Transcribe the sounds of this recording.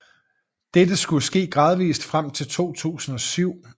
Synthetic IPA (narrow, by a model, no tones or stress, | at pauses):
d̥ed̥əsɡ̥uəsɡ̥e̝̰ːɡ̥ʁɑ̈ːð̞ˠʋḭːsd̥fʁam̰t͡sʰe̝lt͡sʰo̝̰ːt͡sʰṵːsn̩ɒ̽syʊ̰